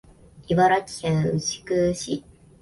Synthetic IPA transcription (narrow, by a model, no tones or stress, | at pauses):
iβaɾakʲi̥aɯɕi̥kɯɕi